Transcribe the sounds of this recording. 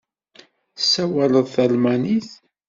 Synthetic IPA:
sːæwæləðˤθælmæniθ

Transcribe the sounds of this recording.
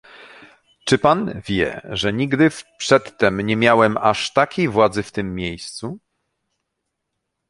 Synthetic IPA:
t͡ʂɘpanvʲjɛ̰ʐɛɲiɡd̪ɘfpʂɛt̪ːɛmɲɛmʲjawɛmaʂt̪akʲejvwad̪zɘft̪ɘmːʲjejst̪su

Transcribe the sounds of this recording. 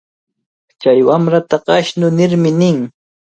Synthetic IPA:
t͡ʃajwamɾat̪aɢɑʃnʊnɪɾmɪnɪŋ

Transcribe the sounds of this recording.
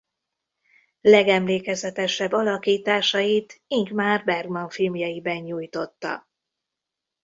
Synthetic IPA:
lɛɡɛmleːkɛzɛt̪ɛʃɛbːɒlɒkiːt̪aːʃɒjit̪iŋkmaːrbɛrɡmɒɱfilmjɒjibɛɲːuːjt̪o̞t̪ːɒ̰

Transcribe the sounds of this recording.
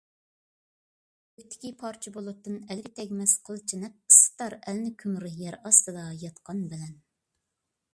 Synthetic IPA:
øt̪ʰːɪ̥kʲipʰɑɾt͡ʃʰibolˠʊt̪ːɨnɛlɡʲɪt̪ʰɛkʲmɛsqʰəlˠt͡ʃʰinɛp̚sɨ̥t̪ːɑɾɛlnɪkʲʰymɾɪjɛɾɑst̪ɨd̪ɑjɑt̪qɑnbɪlɛn

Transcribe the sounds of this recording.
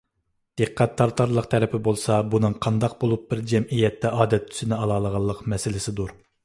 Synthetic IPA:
d̪̥eqʰqːæt̪ʰːɑɾt̪ʰːɑɾlˠəqt̪ʰɛɾɛpʰɪbolˠsɑbunɨŋqʰɑnd̪ɑq̚bolˠup̚bɪɾd͡ʒɛmijɛt̪ʰːɛʔɑːd̪ɛt̪ʰːy̥zɪnɪɑlˠɑːlˠəʁɑlˠːəqmɛsɪlɪsɪd̪uɾ

